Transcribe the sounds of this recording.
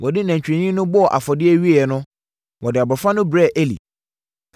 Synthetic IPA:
wʔɔ˨dɪ˦næ̃˨ɲ˨t͡ɕᶣɾɛ̃˨ɲĩ˦nʊ̃˦bɔ˦ɔ˨ʔa̰˨fɔ˨dɪ˦ɛ˦ɥi˦e˦˨ɛ˨nʊ̃˦ | wɔ˨dɪ˨a˨bɔ˨fã˦nʊ̃˦bɾɛ˦˨ʔe˦lḭ˨

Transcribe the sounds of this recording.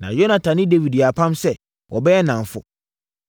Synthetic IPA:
nã̰˨jo˦nã˨tʰã˨nɪ̃˦de˦wi˨di˨a˨pʰã˦msɛ˦ | wʔɔ˨bɛ˦ɛ˦nã˨ɱ˨fʊ̰˨

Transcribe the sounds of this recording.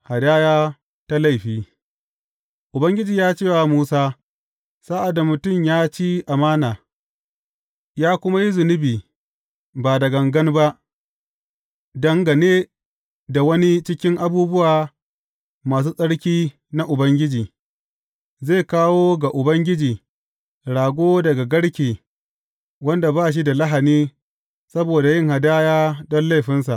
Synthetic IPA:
ha˨daː˦jaː˦ | ta˦la˦˨jɸiː˦ | ʔʊ˨bɐ˦ŋɡʲɪ˦d͡ʒiː˨jaː˦t͡ʃeː˦˨wa˨muː˦saː˦ | saː˦ʔa˨da˨mʊ˨tʊ˦˨mjaː˦t͡ʃi˦ʔa˨maː˦naː˨ | jaː˦kʷʊ˦ma˦ji˦zʊ˨nɪ˦biː˨ | baː˨dɐ˨ɡɐ˨ŋɡɐ˦nba˦ʔ | dɐ˨ŋɡa˨neː˦ | da˨wɐ˦ni˦t͡ʃɪ˦kʲɪ˦ŋʔa˨buː˦bʊ˦waː˨ | maː˨s̬uː˦sʼɐ˦ɽkʲiː˦ | na˦ʔʊ˨bɐ˦ŋɡʲɪ˦d͡ʒiː˨ | ze˦˨kaː˦woː˦ɡa˨ʔʊ˨bɐ˦ŋɡʲɪ˦d͡ʒiː˨ | ɽaː˨ɡʷoː˦dɐ˨ɡa˨ɡɐ˦ɽkʲiː˨ | wɐ˦nda˨baː˦ʃ̬i˦da˨la˦ɦa˨niː˦ | sɐ˦boː˨da˨jɪ˦ŋha˨daː˦jaː˦dɔ˦nla˦jɸɪ˦nsa˨ʔ

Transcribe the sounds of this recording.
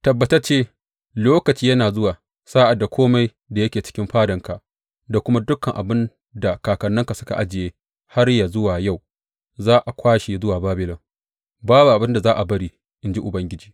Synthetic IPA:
tɐ˨bːɐ˨tɐ˦t͡ʃeː˦ | loː˦kɐ˨t͡ʃiː˦jɐ˦naː˨zʊ˦waː˨ | saː˦ʔa˨da˨kʷoː˦ma˦j | da˨jɐ˦kʲeː˨t͡ʃɪ̥˦kʲɪ˦mɸaː˦dɐ˨ŋka˨ | da˨kʷʊ˦ma˦dʊ˦kːɐ˨ŋʔa̰˨bɪ˦n | da˨kaː˨kɐ˨nːɐ˦ŋka˨sʊ˦ka̰˨ʔa˦d͡ʒɪ˨jeː˦ | ha˦rja˨zʊ˦waː˨ja˦˨w | zaː˦ʔa˨kʷaː˦ʃe˨zʊ˦waː˨baː˦bɪ˨lɪ˨ŋ | baː˦bu˨ʔa˨bɪ˦nda˨zaː˦ʔa˨bɐ˦ɽiː˦ | ʔɪ˦nd͡ʒi˦ʔʊ˨bɐ˦ŋɡʲɪ˦d͡ʒiː˨

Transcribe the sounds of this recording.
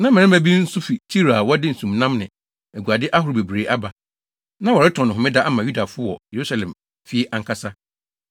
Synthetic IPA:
nã˦mɪ̃˨ɪ̃˦mæ̃˦bi˦n̩˦sʊ˦fi˨tʰi˦ɾa˨wɔ˦dɪ˦n̩˨sũ˨mnã˦mnɪ̃˨ | æ˨ɡu˨a˨dɪ˦ʔa˦ɦʊ˨ɾʊ˨be˨bɾe˨ʔa˦ba˨ | nã˦wɔ˨ɾɪ˦tʰɔ̃˨nʊ̃˨ɦʊ̃˨mɪ̃˦da˦ʔa˦mã˨ju˦da˨fʊ˦wɔ̰˨je˨ɾu˦sa˨lɛ̃˨m | fi˦e˦ʔa˨ŋ˦kʰa˦sa˦

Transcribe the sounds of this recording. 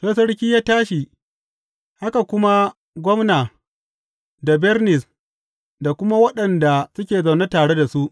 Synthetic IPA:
sɐ˦sɐ˦ɽkʲiː˦jaː˦taː˦ʃi˨ | ha˦ka˨kʷʊ˦ma˦ | ɡʷɔ˦mnaː˨ | da˨bɛ˦rnɪ˨s | da˨kʷʊ˦ma˦wɐ˦ɗɐ˨nda˨sʊ˦kʲeː˨za˨wne˦taː˨ɽe˦da˨su˦ʔ

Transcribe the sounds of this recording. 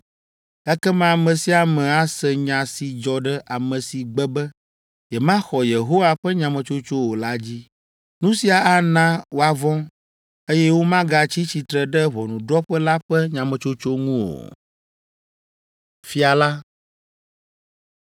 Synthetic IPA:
ɛ˦kɛ˦mã˦˨mɛ̃˨si˦a˨mɛ̃˨a˦sɛ˨ɲã˨si˨d͡ʒɔ˨ɖɛ˦ʔa˨mɛ̃˨si˨ɡ͡bɛ˦bɛ˦ | jɛ˨mã˦xɔ˨je˨ɦo˦wa˨ɸɛ˦ɲã˨mɛ̃˨t͡ʃo˦t͡ʃo˦wo˨la˦d͡ʑi˦ | nũ˦si˨a˨a˦nã˦wo˦a˨vɔ̃˦ | e˦jɛ˦wo˦mã˦ɡa˨t͡ɕi˦t͡ɕi˨t̪ɾɛ˨ɖɛ˦βɔ˨nũ˨ɖɔ˦ɸɛ˦la˦ɸɛ˦ɲã˨mɛ̃˨t͡ʃo˦t͡ʃo˦ŋũ˦wo̰˨ | fi˦a˨la˦

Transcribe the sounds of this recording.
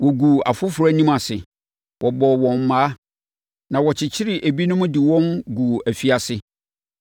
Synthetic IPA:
wɔ˨ɡu˨a̰˨fʊ˦fʊ˨ɾa˦nĩ˦ma˨sɪ˨ | wʔɔ˨bɔː˨wɔ̃˨m̩˨mãː˨˦ | nã˨wɔ˨t͡ɕʰɪ˨t͡ɕʰɪ˦ɾɪ˨ʔæ˨bi˦nʊ̃˦mʊ̃˦dɪ˨wɔ̃˦nɡu˨æ˨fi˦a˨sɪ˦

